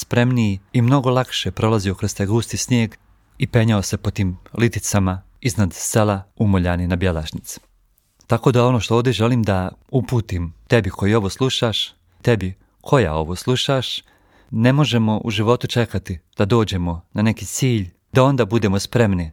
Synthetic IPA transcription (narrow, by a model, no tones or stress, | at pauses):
spɾe̞mnijiimno̞ɡo̞lˠakʃepɾo̞lazijo̞kɾost̪eɡuːst̪isnjeːɡ | ipe̞ɲaose̞pot̪iːmlit̪it̪sama | iznad̪selaumoʎaːninabjela̰ʃnit̪si̥ | t̪ako̞d̪ao̞no̞ʃt̪o̞oːvd̪eʒe̞liːmd̪aupuːt̪imt̪e̞bikʰo̞jio̞ʋoːslˠuʃaʃ | t̪e̞bi | kʰo̞ja̰o̞ʋo̞ːslˠuʃaʃ | ne̞mo̞ʒe̞mo̞ʔuʒiʋo̞t̪ut͡ʃe̞kat̪id̪̥ad̪o̞ːd͡ʑe̞mo̞nane̞kit̪siːʎ | d̪̥ao̞nd̪aːbud̪emospɾe̞mni